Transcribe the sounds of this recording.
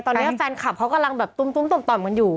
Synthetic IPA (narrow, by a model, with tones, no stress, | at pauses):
t̪ɔː˧nː˦˥ʔt͡ɕaː˧nkʰa˨˩p̚kʰa˦˥wka˧mla˧ŋbɛː˨˩p̚t̪u˧˨mt̪u˧˨mt̪u˧˩mt̪ɔː˨˩mka˧njuː˨˩